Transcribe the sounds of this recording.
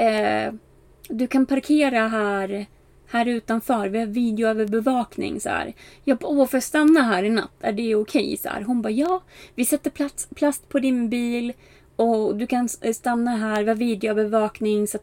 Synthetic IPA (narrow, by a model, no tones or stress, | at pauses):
d̪ɵkʰanpʰaɾkʰeːɾaɦæːɾ | hæːɾʉ̟ːt̪anfœːɾvɪhɑːɾviːd̪ɛʊøvəɾbɛvɑːknɪ̰ŋsæ̰ːɾjɑːpofœɾst̪anːaɦæːɾɪna̰t̪ːæ̰ɖɛʊkʰɛjsɔæ̰ːɾɦʊnbɑːjɑːvɪsɛt̪ːəɾpʰlatspʰlast̪pʰɔd̪ɪnbiːl | ɔd̪ɵkʰanst̪anːaɦæːɾvɪhɑɾviːd̪ɪʊøːvɛvɑːknɪŋsat̪